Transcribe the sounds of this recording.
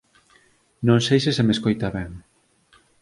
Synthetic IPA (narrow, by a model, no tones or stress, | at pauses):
nõŋsejsɪsemeskojt̪aβɛŋ